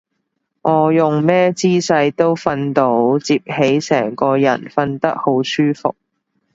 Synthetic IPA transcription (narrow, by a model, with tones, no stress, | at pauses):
ŋʔɔː˨˧jʊ˨ŋmɛː˥t͡siː˥sɐ˧jt̪o˥wfɐ˧nt̪o˨˥wt͡siː˧p̚he˨˥jsɛ̰ː˨˩ŋkɔː˧jɐ̰˨˩nfɐ˧nt̪ɐ˥k̚ho˨˥wsyː˥fʊ̰˨k̚